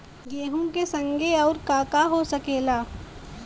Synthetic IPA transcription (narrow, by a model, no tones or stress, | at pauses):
jeːɦũkesɐ̃ŋɡeɔːɾkaːkaɦosɐkeːlaː